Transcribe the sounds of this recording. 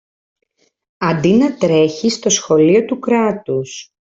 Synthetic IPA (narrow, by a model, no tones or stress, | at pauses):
ɐnd̪inɐt̪ɾe̞çist̪o̞sxo̞lio̞t̪ukɾɐt̪us